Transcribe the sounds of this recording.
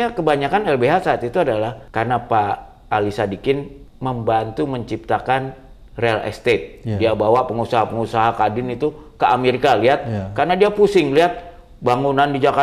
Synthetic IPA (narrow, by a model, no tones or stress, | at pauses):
akəbaɲakanɛlbeɦasaːt̪it̪uadalahkarnapa | ʔːlisadikɪnməmbant̪uməɲt͡ʃip̚t̪akan | realɛ̰st̪et̪̚diabawapəŋusaɦapəŋusaɦakadɪnit̪ukəʔameɾikaliɦat̪̚karnadiapusɪŋliat̪̚ | baŋunandid͡ʒaka